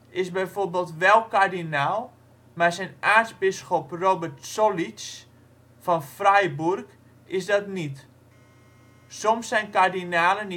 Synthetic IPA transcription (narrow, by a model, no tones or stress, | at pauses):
ɪsbɛjforbeːlˠtʋɛlˠkardinaːlˠ | masɛjnaːtzbɪsxɔprobərtsolit͡ʃ | fɔnfrɛjburk | ɪsdɔtnit | somsɛjnkardinaːlən